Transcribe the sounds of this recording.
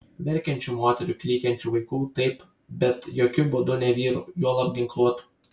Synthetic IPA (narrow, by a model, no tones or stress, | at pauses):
ʋʲɛɾʲkʲɛnʲt͡ʃʲʊmoɔt̪ʲɛɾʲʊkʲlʲiːkʲɛnʲt͡ʃʲʊʋɐɪkuːt̪ɐɪp | bʲɛt̪joːkʲʊbʊd̪ʊnʲɛʋʲiːɾujuɔlˠɐb̚ʲɡʲɪŋklˠuɔt̪u̥